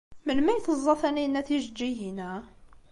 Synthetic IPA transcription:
məlmæjθəzˤːɑθæninːæθiʒəd͡ʒːiɦinæ

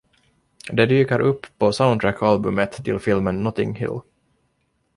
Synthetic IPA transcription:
d̪ɛd̪yːkaɾʔɵpːʰɔsaʊndt̪ɾækʰːɑlbɵmət̪ʰːɪlfɪlmənːɔt̪ɪ̰ŋhɪ̰l

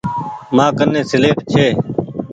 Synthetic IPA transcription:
mãːkənːẽːsɪleːʈt͡ʃʰeː

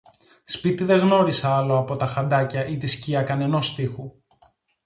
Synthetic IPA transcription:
spit̪iðe̞ɣno̞ɾisɐɐlo̞ɐpo̞t̪ɐxɐnd̪ɐcɐʔit̪isciɐkɐne̞no̞st̪ixu

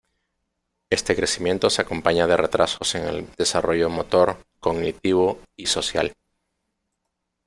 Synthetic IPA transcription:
e̞st̪e̞kɾe̞simje̞nt̪o̞seako̞mpaɲað̞e̞re̞t̪ɾʔaso̞seŋe̞̰ld̪e̞saro̞ʝomo̞t̪o̞ɾko̞ɣnit̪iβ̞oiso̞sja̰l

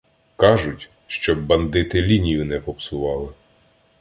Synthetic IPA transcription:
kɑʒʊtʲ | ʃt͡ʃɔbːɐnd̪ɪt̪ɪlʲinʲijʊnɛpɔpsʊʋɑlˠɪ

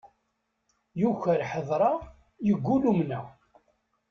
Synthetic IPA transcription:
juçəɾħəðˤɾˤɑ | jəɡʷːulumnæ

